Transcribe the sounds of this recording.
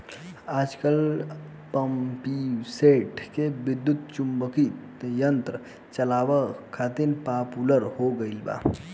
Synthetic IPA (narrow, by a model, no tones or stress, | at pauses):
aːd͡ʒkəl | pəmpiseʈkebid̪ːut̪̚t͡ʃumbəki | jənt̪ɾə | t͡ʃəlaʋəkʰːat̪inpapuləɾhoɡəɪlba̰